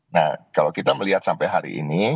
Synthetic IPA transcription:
na̰hkalowkit̪aməliɦat̪̚sampɛjɦaɾḭʔḭni

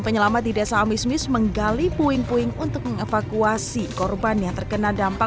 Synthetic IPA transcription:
pəɲəlamat̪̚didasaːmismɪsməŋɡalipuɪŋpuɪŋunt̪ʊk̚məŋefakuasikɔrbanjaŋt̪ərkənadampa

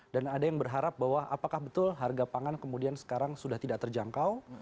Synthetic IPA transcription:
danadajaŋbərɦaɾap̚bawaapakahbət̪ʊlɦarɡapaŋankəmudiansə̥kaɾaŋsudaht̪idaʔ̚t̪ərd͡ʒaŋkaw

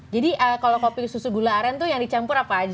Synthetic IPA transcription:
d͡ʒadiʔəkalokopiususuɡulaɾant̪ʊjaŋdit͡ʃampʊɾapaːd͡ʒ

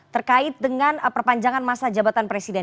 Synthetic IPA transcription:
t̪ərkaɪt̪̚dəŋanpərpaɲd͡ʒaŋanmasad͡ʒabat̪anpɾesidɛ

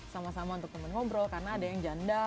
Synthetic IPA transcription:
samasamaunt̪ʊk̚t̪əmankɔmbɾɔkarənaːdajaŋd͡ʒanda

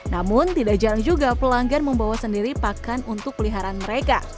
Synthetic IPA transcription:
namʊnt̪idak̚d͡ʒaɾaŋd͡ʒuɡapəlaŋɡanməmbawasəndiɾipakanunt̪ʊk̚pəliɦaɾanməɾeka

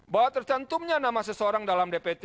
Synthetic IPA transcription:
bawat̪ərt̪ant̪umɲanamasəsəoɾaŋdalamdepet̪e

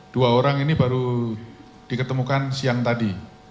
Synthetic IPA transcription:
d̥uaoɾaŋinibaɾu | d̥ikət̪əmukansiaŋt̪adi

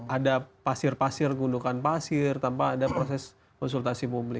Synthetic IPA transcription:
ʔadapasɪrpasɪrɡundukanpasɪrt̪ampaːdapɾosɛs | kɔnsult̪asipublɪ

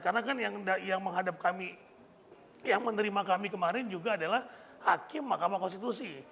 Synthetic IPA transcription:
karnakanjaŋdajaŋməŋɦadap̚kami | jaŋmənəɾimakamikəmaɾɪnd͡ʒuɡaːdalah | hakɪmːakamakɔnst̪it̪usi

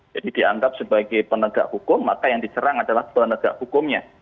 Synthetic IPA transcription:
d͡ʒ̥adidia̰ŋɡap̚səbaɡajpənəɡa̰ʔhukʊmːakajaŋdit͡ʃəɾaŋadalahpənəɡ̥a̰ʔhukʊmɲa

